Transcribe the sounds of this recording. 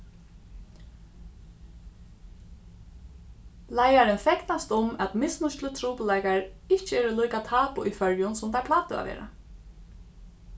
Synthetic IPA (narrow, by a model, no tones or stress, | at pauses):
lajaɾɪnfɛknast̪ʊmɛt̪mɪsnʊʃt̪lət̪ʰɾuːpʊlajkaɹɪht͡ʃɪɛːɾɪlujkat̪ʰaːpʊʔifœɹjʊnsʊmt̪apʰlaːt̪ʊa̰ʋḛːɾa̰